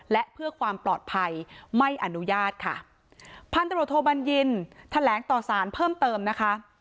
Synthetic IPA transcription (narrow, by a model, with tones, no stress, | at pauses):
lɛ˦˥ʔpʰɯ˥˩əkʰwaː˧mplɔː˨˩t̪̚pʰa˧jma˥˩jʔa˧nu˦˥jaː˥˩t̪̚kʰa̰˥˩ | pʰa˧nt̪a˧ɾt̪ʰːoː˧˩ba˧nji˧nt̪ʰa˧lɛː˩˦ŋt̪ɔː˨˩saː˩˦npʰɤː˥˩mt̪ɤː˧mna˦˥kʰa˦˥ʔ